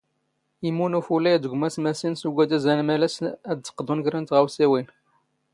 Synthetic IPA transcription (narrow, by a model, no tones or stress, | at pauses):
imunufulæjæd̪əɡʷmæsmæsinsuɡʷæd̪æzænmælæsæd̪t͡sːə̥qːd̪unʝɾænt̪ʁæwsiwin